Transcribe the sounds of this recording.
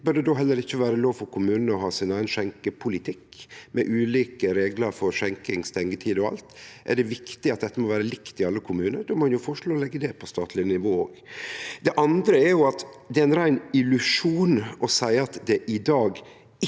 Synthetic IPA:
bœd̪ɛd̪oːɦɛlːəɾɪçːəʋæːɾəloːʋfɔɾkʰʊmʉːnənəɔɦɑːsɪnæɪənʃɛŋkəpʰʊlɪt̪ʰɪkːmɛʔʉːliːkəɾeːɡləɾfɔɾʂɛŋkɪŋst̪ɛŋːət̪ʰiːd̪ɔɑ̰lt̪ʔɛ̰ɖɛʋɪkt̪ɪɑt̪̚d̪ɛt̪ːəmɔʋæːɾəlɪkt̪ɪɑlːəkʰʊmʉːnəɾd̪oːmɔɑnjʊfɔʂɭoːlɛɡːəd̪ɛpʰɔst̪ɑːt̪ʰlɪnɪʋoːoːɡd̪ɛʔɑnd̪ɾəɛɾjʊɑt̪ | d̪ɛæɪnɾæɪnɪlʉʂuːnɔsæɪɑt̪d̪ɛʔɪd̪ɑːɡ | ɪ

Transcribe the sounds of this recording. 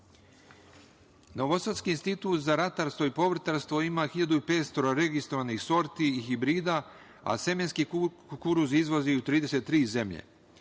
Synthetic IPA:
no̞ʋosat̪skiinst̪it̪uːt̪zaɾat̪aɾst̪ʋo̞ipo̞ʋr̩t̪aɾst̪ʋo̞imaxiʎad̪uipeːt̪st̪o̞ɾoɾe̞ɡist̪ɾoʋanixso̞ɾt̪iːxibɾiːd̪a | a̰se̞menski | kuɾuzizʋo̞ziut̪ɾiːd̪e̞se̞t̪ːɾiːze̞mʎḛ

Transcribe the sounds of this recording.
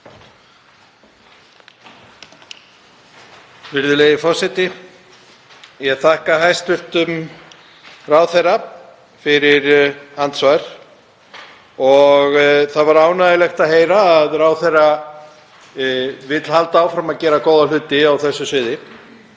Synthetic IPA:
fɪɾðʏlejðɪfɔsɛt̪ɪ | jɛɣθahkaɦajst̪ʏlt̪ʏm | raːwθejrːa | fɪɾɪɾant̪svaɾ̥ | ɔɣθaðvaɾaːwnaðɪlɛxt̪aðɦeːjɾaːðraːwθejra | vɪt̪l̥halt̪aːwfɾamaðcɛːɾakoːwðal̥ʏːt̪ɪawθɛsːʏsɪːðɪ

